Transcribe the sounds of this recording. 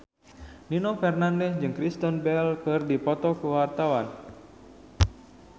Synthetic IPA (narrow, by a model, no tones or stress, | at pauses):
ninɔfɛrnandɛsd͡ʒɨŋkɾist̪ɔnbɛlkɨrdipɔt̪ɔkuwart̪awan